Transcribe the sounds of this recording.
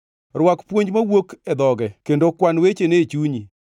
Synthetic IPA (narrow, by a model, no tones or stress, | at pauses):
rwakpwoɲd͡ʒmawoked̪ɔɡɛkendokwanwet͡ʃenet͡ʃuɲi